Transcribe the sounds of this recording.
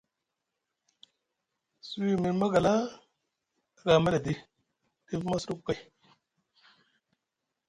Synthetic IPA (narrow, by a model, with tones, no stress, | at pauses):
su˦wi˦˨mi˨ɾma˦ɡa˨la˦˨ | ɡa˨ma˦la˨di̥˦ | i˦fma˦su˦ɾu˦kkːa˨j